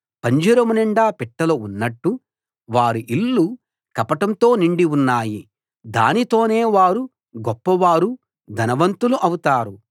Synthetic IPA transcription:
pɐɲd͡ʒɐɾɐmɐnɛɳɖaːpɛʈːɐlounːɐʈːu | ʋaːɾuʔilːu | kɐpɐʈɐmt̪o̞ːniɳɖiunːaːji | d̪a̰ːnit̪o̞ːne̞ːʋaːɾu | ɡɔpːɐʋaːɾu | d̪ʱɐnɐʋɐnt̪uluʔɐwut̪aːɾu

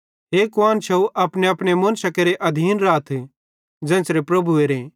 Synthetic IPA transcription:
ɦeːkʊaːnt͡ʃʰɐuʔɐpneɐpɽ̃emɐ̃ːnsɐkeɾeʔɐd̪ʱiːnɾaːt̪ʰ | d͡ʒɛ̃ːsɾepɾɐbʱueɾẽ

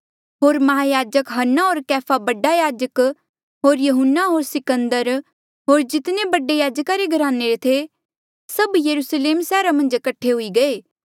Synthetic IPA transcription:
ɦoːɾmɐɦaːjaːd͡ʒəkɦɐnːaɦoːɾkɛːpʰabɐɖajaːd͡ʒək | ɦoːɾjɐɦʊnːaɦoːɾsɪkə̃nd̪əɾ | ɦoːɾd͡ʒɪt̪nebɐɖejaːd͡ʒkaɾeɡʱɐɾaːnːeɾet̪ʰe | sɐbjɐɾusleːmsɛːɾamɐ̃nd͡ʒkɐʈʰːeɦʊiɡɐeː

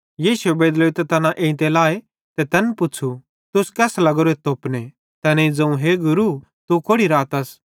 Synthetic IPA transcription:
jiːsʊebeːd̪loet̪ɛt̪ɐnãʔẽːɪ̃t̪̬elaːe | t̪ɛt̪ɐnpʊt͡ʃʰu | t̪ʊskɛːslɐɡɾoet̪oːpne | t̪ɛːneid͡zɐ̃ũɦeɡʊɾu | t̪ukoːɽiɾaːt̪ɐs

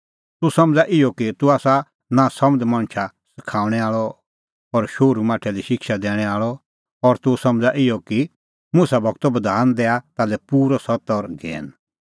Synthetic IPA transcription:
t̪ʊsɐ̃md͡zaʔɪjɔkit̪ʊaːsa | nasɐməd̪mɐ̃ñt͡ʃʰa | sɪ̥kʰaːʊ̃ɽ̃ɛaːɭɔ | ɔɾʃoːɾumaːʈʰɛliʃɪkʃad̪ɛːɽ̃ɛaːɭɔ | ɔɾt̪ʊsɐmd͡zaʔɪjɔki | mʊsabʱɐɡt̪ɔbɐd̪ʱaːnd̪ɛːat̪aːlɛpuːɾɔsɐt̪ɔɾɡʱɛ̰ːn

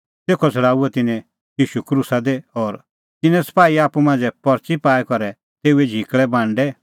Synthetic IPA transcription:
t̪eːkʰɔt͡sʰɐɽaːuɛt̪ɪnɛ̃ | jiːʃukɾusad̪eɔːɾ | t̪ɪnɛ̃sɐ̥paːiaːpumãːnd͡zɛpɔɾt͡ʃipaːɛkɔɾɛ | t̪eːuɛd͡ʒʱiːkɭɛbʱãːɳɖɛ

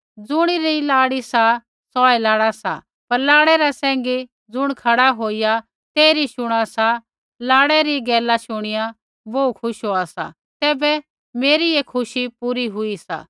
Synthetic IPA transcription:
d͡zʊɽ̃iɾilaːɽisa | sɔːɛlaːɽasa̰ | pɐɾlaːɽɛɾasɛ̃ːŋ̆ɡe | d͡zʊɽ̃kʰɐɽaɦoːija | t̪eːɾiʃʊɽ̃asa | laːɽɛɾiɡɛːlaʃʊɽ̃ɪja | boːukʰʊʃɦoasa̰ | t̪ɛːbɛ | meːɾiekʰʊʃipuːɾiɦʊisa̰ː

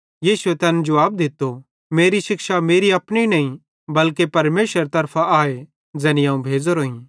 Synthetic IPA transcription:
jiːsuet̪ɛːnd͡ʒɐʋaːb̚d̪ɪt̪ːo | meːɾiʃɪkʃameːɾiɐpninɐĩ | bɐlkepɐɾmeːʃəɾt̪ɐɾpʰaaːe | d͡ʒɛ̃ːniaːũbʱeːd͡zoɾoːĩ

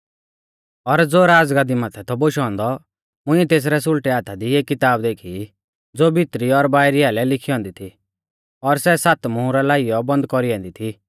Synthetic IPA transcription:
ɔɾd͡zoːɾaːd͡zɡaːd̪imaːt̪ʰɛt̪ʰɔboʃɔ̃ːnd̪ɔ | mʊ̃ĩɛt̪eːs̬ɾɛs̬ʊlʈɛaːt̪ʰad̪ieːkːɪt̪aːbd̪eːkʰi | d͡zoːbɪt̪ɾiɔɾbaːɪɾiaːlɛlɪkʰiɔ̃ːnd̪it̪ʰi | ɔɾsɛsat̪mʊ̃ũɾɛlaːijɔbɐ̃nd̪̚kɔɾiɔ̃ːnd̪it̪ʰi

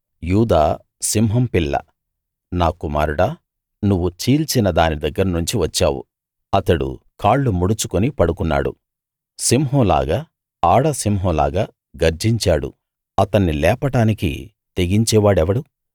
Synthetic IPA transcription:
juːd̪aː | simɦɐmpilːɐ̰ | naːkuma̰ːɾuɽaː | nuʋːut͡ʃiːlt͡ʃinɐd̪aːnid̪ɐɡːɐɾɐnuɲt͡ʃiʋɐt͡ʃːa̰ːwṵ | ɐt̪ɐɽṵkʰaːɭːumuɽut͡ʃukonipɐɽukunːa̰ːɽṵ | simɦɔːla̰ːɡaː | aːɽɐsimɦɔːla̰ːɡaː | ɡɐɾd͡ʒiɲt͡ʃaːɽṵ | ɐt̪ɐnːilɛːpɐʈaːnikḭ | t̪e̞ɡiɲt͡ʃɛːʋaːɽɛʋɐɽu

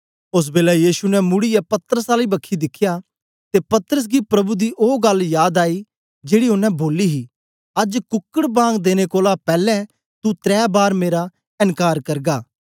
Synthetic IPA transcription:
ʊs̬beːlɛjiːʃunɛ̃mʊɽijapɐt̪ɾəsaːlibɐkʰːid̪ɪkʰːɪjaː | t̪epɐt̪əɾəs̬ɡipɾɐbud̪iʔoːɡɐljaːd̪aːi | d͡ʒeːɽiʊnːɛ̃boːliɦiː | ɐd͡ʒkʊkːəɽbãːŋɡd̪eːnekoːlapɛːlɛ̃ | t̪ut̪ɾɛːbaːɾmeːɾa | ɪnkaːɾkɐɾɡaː

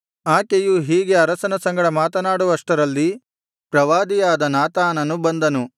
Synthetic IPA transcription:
aːkejuɦiːɡe̞ɐɾɐsɐnɐsɐŋɡɐɽɐmaːt̪ɐnaːɽuʋɐʂʈɐɾɐlːi | pɾɐʋaːd̪ijaːd̪ɐnaːt̪aːnɐnubɐnd̪ɐnu

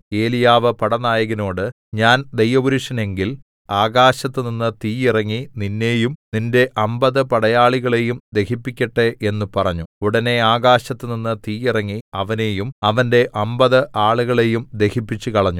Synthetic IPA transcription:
e̞ːlijaːʋɨpɐɽɐnaːjɐɣino̞ːɽɨ | ɲaːnd̪ejʋɐʋuɾuʂɐne̞ŋɡil | aːɣaːɕɐt̪ːɨninːɨt̪iːjirɐŋːininːe̞ːjumninde̞ʔɐmbɐðɨpɐɽɐjaːɭiɣɐɭe̞jumd̪e̞hipːikʲːɐʈːeʔe̞nːupɐrɐɲːuuɽɐne̞aːɣaːɕɐt̪ːɨninːɨt̪iːjirɐŋːiɐʋɐne̞ːjumɐʋɐnde̞ʔɐmbɐðɨʔaːɭuɣɐɭe̞jumd̪e̞hipːit͡ɕːukɐɭɐɲːu

